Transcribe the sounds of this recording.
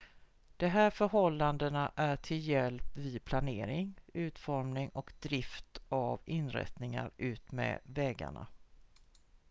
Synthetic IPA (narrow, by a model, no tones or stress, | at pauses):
d̪̥ɛɦæːɾfœɾɦɔlːand̪ənaʔæʈʰɪljɛlpvɪpʰlaneːɾɪŋʉ̟ːt̪fɔɾmnɪŋɔkd̪ɾɪft̪avɪnɾɛ̰t̪nɪŋa̰ɾʔʉ̟ːt̪mɛ̰ːvɛːɡa̰ɳa̰